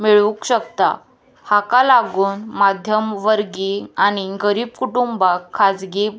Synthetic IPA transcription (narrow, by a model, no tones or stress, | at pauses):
miɭũkɕəkt̪a̰ | hakalaɡuːnmad̪ʱjəmʋəɾɡiaɽ̃iɡəɾiːb̚kuʈumbakʰːad͡zɡi